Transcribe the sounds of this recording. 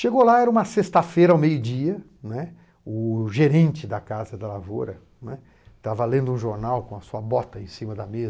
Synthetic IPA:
ʃeɡolaɛɾɐũmɐsest̪ɐfejɾɐawmejʊd͡ʒiɐ | nɛ | ʊʒeɾẽnt͡ʃɪd̪ɐkazɐd̪ɐlavo̰ɾɐ | nɛ | t̪avɐlẽnd̪ʊũʒoɾnawkõɐsuɐbɔt̪ɐẽsĩmɐd̪ɐmez

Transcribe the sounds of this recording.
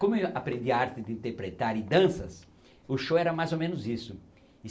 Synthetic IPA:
kõmʊeapɾẽnd̪iɐaɾt̪ɪd̪ɪĩnt̪eɾpɾet̪aɾɪ̃d̪ɐ̃sɐs | ʊʃowɛɾɐmajzomẽnʊzisʊ | ɪ

